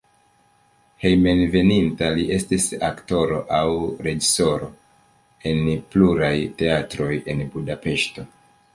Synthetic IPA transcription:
he̞jme̞nve̞nintaliʔe̞stisakto̞ɾo̞̰ʔawɾe̞d͡ʒiso̞ɾo̞ | e̞npluɾajte̞atɾo̞je̞nbudape̞ʃto̞

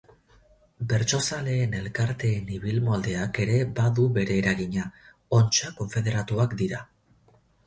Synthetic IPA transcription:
be̞ɾt͡ʃo̞sale̞ːne̞lkaɾt̪e̞ːniβilmoald̪e̞ake̞ɾe̞baðuβe̞ɾe̞ːɾaɣiɲa | o̞nt͡ʃako̞ɱfe̞ð̞e̞ɾat̪uakd̪iɾa

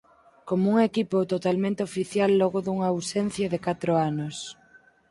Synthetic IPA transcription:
komouŋekipot̪ot̪almẽnt̪eofiθjalːɔɣoðuŋaawsɛn̟θjɐðekat̪ɾoanʊs

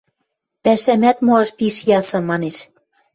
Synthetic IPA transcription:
pæʃæmæt̪moɑʃpiʃjɑsɤ̆mɑneʃ

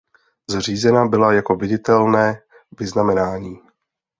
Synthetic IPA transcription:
zr̝iːzɛnabɪlajako̞vɪɟɪt̪ɛlnɛː | vɪznamɛnaːɲiː

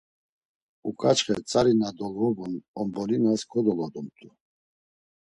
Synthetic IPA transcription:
ukʼat͡ʃχɛt͡sʼaɾinad̪ɔlɔbunɔmbɔlinaskʰɔd̪ɔlɔd̪ɔmt̪ʼu

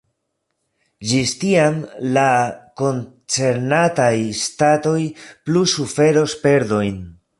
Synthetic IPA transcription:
d͡ʒistiamlako̞n | t͡se̞ɾnatajstato̞jplusufe̞ɾo̞spe̞ɾdo̞jn

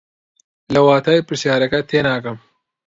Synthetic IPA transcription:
lɐwaːt̪ʰaːjpɨɾsjaːɾɐkɐt̪ʰeːnaːkɐm

